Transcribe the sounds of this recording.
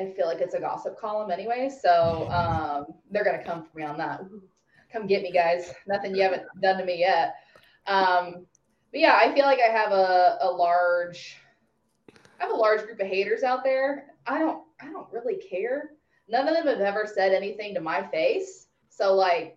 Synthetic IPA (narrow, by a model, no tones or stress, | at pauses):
aɪfilaɪkɨtsɨɡɑ̰səp̚kʰɔlˠə̃mɛñiweɪ̥soʊʌ̃mðə˞ɡʌnɨkʰʌ̃ɱfə̃miə̃nðət̚ | kʰʌ̃mɡɛt̚miɡaɪz̥nʌθɪ̃ŋjɨhævɨ̃nd̥ʌ̃ntɨmijɛt̚ | ʔʌ̃m | b̥ʌt̚jæaɪfilaɪkaɪɨvəəlɑɹd̥ʒ̥ | aɪəvəlɑɹd̥d͡ʒɡɹʉpɨɦeɪɾə˞zaʊt̪̚ðə˞ʔaɪɾõʊ̃nt̚aɪɾõʊ̃nʔ̚ɹɪlˠikʰɛɹ | nʌ̃nʌvðɨ̃mɨvɛvə˞sɛɾɛniθɪ̃ŋtɨmaɪfeɪsː | oʊlaɪk̚